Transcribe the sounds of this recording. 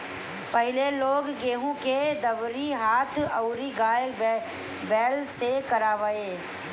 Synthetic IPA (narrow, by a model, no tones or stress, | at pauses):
pɐɦɪleloːɡːeːɦõked̪əʋɾiɦaːt̪ʰəʊɾiɡaːj | bɛːlsekəɾaːʋəeː